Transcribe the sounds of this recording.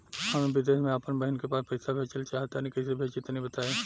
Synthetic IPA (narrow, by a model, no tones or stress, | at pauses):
hɐmẽbɪd̪eːʃmẽaːpənbɐɦɪnkepaːspɛɪsabʱeːt͡ʃəlt͡ʃaːɦt̪anĩkɐisebʱeːt͡ʃɪt̪nɐɦĩbɐt̪aːeː